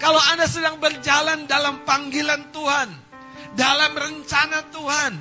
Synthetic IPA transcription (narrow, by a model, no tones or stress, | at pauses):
kaloandasədaŋbərd͡ʒalandalampaŋɡilant̪uɦan | dalamrəɲt͡ʃanat̪uɦan